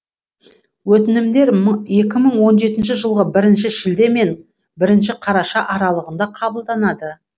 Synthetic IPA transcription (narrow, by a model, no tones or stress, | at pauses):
wɵt̪ɪnɪmd̪e̞ɾje̞kʲɪməɴwo̞nʒe̞t̪ɪnʃɪʒəlˠʁəbɪɾɪnʃɪʃɪld̪e̞me̞n | bɪɾɪnʃɪqʰɑɾɑʃɑʔɑɾɑlˠəʁənd̪ɑqʰɑbəlˠd̪ɑnɑd̪ə